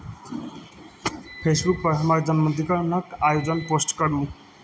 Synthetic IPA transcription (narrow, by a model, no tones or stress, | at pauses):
pʰesbuk̚pɔɦʰɔmaɹd͡ʒʌnmɔnt̪ikɔɹɔnɔkajod͡zɔnposʈkɔɾũ